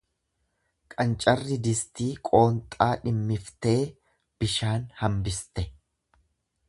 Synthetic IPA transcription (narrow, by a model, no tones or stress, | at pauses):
kʼɐnt͡ʃʼɐrːɪd̪ɪst̪iːkʼo̞ːnt̪ʼaːᶑɪmːɪft̪e̞ː | b̥ɪʃaːnhɐmbɪst̪ɛ